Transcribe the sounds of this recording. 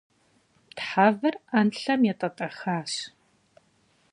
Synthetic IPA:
tħaːvɐranɬɐmjɛtʼɐtʼɐxaːɕ

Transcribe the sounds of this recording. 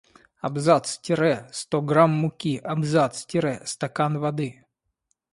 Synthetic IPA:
ɐbzat̪stʲɪɾɛst̪oɡɾamːʊkʲiʔɐbzat̪stʲɪɾɛst̪ɐkanvɐd̪ɨ

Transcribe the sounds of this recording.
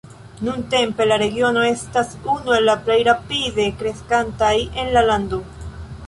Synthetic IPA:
nunte̞mpe̞laɾe̞ɡio̞no̞e̞stasunue̞lːaple̞jɾapide̞kɾe̞skantaje̞nlalando̞

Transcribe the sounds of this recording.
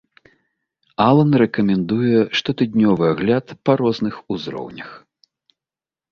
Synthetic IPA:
alˠɐnɾɛkɐmʲɛnd̪ujɛʂt̪ɔt̪ɨd̪ʲnʲɔvɨaɣlʲat̪pɐɾɔznɨxuzɾɔ̰wnʲɐx

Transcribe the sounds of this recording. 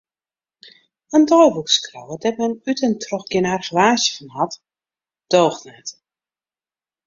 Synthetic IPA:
əndɔjʋukskrowədɛtmɛnytəntʰrɔxɡɪnarχəʋaːsjə̥fɔnhat | d̥oːxnat

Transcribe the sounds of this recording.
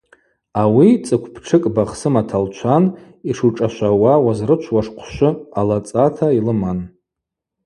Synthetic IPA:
awit͡sʼɨkʷʰpʰʈ͡ʂʰɨkʼbaχsɨmatʰalt͡ʃʷʰan | iʂuʈ͡ʂʼaʃʷawawazrɨt͡ʃʷʰwaʂqʷʰʃʷʊalat͡sʼatʰailɨman

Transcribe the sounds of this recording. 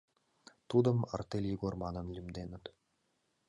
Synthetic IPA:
t̪ud̪əma̰rt̪elʲjiɡormɑnɤ̆milʲɘ̆md̪enət̪

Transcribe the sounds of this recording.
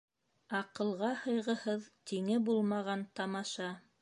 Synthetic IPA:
ɑqɤ̆lˠʁɑhɤ̆jʁɤ̆hɤðt̪iŋɘbulˠmɑʁɑnt̪ɑmɑʃɑ

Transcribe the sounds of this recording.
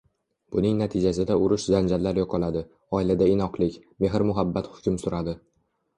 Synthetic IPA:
b̥ʊnɪŋnat̪ʰɪd͡ʒasɪd̪aʊɾʊʃzand͡ʒallːaɾjɒqʰɒlad̪ɪ | ɒɪlad̪aɪnɒqlˠɪkʲmeɦɾmʊɦabːat̪hʊ̥kʲʰʊmsʊɾad̪ɪ

